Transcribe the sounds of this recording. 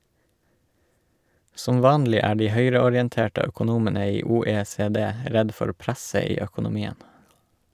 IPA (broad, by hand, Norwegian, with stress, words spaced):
ˈsɔm ˈʋɑːnlɪ ˈæː ˈɖiː ˈhœʏɾəɔɾjɛnˌteːʈə œkʊˈnuːmənə ˈiː uːeːseːˈdeː ˈɾɛd ˈfɔɾ ˈpɾæsə ˈiː œkʊnʊˈmiːən